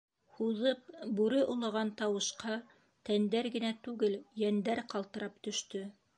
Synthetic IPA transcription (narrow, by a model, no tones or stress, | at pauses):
huðɤp̚bʉɾɘʔŏlˠɑ̆ʁɑnt̪ɑwɤ̆ʃqɑ | t̪ænd̪æɾɡɘ̆næt̪ʉɡɘljænd̪æɾqɑlˠt̪ɤ̆ɾɑpt̪ɵ̆ʃt̪ɵ